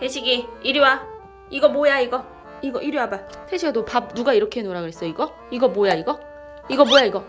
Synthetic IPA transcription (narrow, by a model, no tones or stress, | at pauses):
teɕʰiɡiiɾjowa | iɡʌmojaiɡʌ | iɡʌʔiɾjoaba | sʰeɕʰiedopab̚nuɡaiɾʌkʰe̞noɾaɡɯɭɦe̞s͈ʌiɡʌ | iɡʌmojaiɡʌ | iɡʌmojaiɡʌ